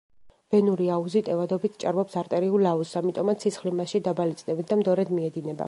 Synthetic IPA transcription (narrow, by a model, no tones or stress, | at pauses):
b̥ɛnuɾiauzit̪ʼɛvad̪ɔbit̪ʰt͡ʃʼa̰ɾmɔpsaɾt̪ʼɛɾiulausamit̪ʼɔmat̪sʰit̪sχlimaʃid̪abalit̪sʼnɛbit̪̚ʰd̪amd̪ɔɾɛd̪miɛd̪inɛba̰